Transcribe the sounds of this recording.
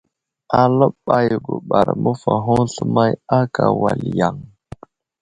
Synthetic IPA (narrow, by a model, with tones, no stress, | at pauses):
a˨lə˦ɓa˦jɡu˨ɓa˨ɾmə˦fa˨ɦo˦ŋɬə˦ma˦ja˦ka˨wa˨lja˨ŋ